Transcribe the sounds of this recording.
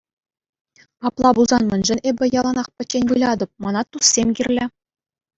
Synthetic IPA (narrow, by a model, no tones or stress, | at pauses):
pɑplˠɑbulˠzɑnmʲɘ̆nʲʐɘ̆nʲebʲɘ̆jɑlˠɑnɑχpʲɘ̆t͡ɕːenʲbɯlʲɑd̪ɤ̆p̚mɑnɑt̪ːusːʲemʲɡʲirʲlʲɘ̆